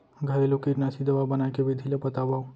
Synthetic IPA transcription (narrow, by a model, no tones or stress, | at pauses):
ɡʱəɾelukiʈnasid̪əʋabənajkebid̪ʱilepət̪abaw